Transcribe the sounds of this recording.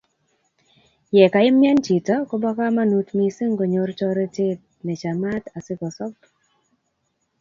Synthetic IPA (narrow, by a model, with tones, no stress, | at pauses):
jɛ˨ka˨ɪ˦mjɛ˦nt͡ʃi˨tɔ˦kɔ˦bɔ˦ka˦ma˦nu˦tmi˦se˦ŋɡo˨ɲo˨rt͡ʃɔ˦ɾe˦te˦t̚ | nɛ˨t͡ʃa˨ma˦ta˨sɪ˦kɔ˨sɔ˦k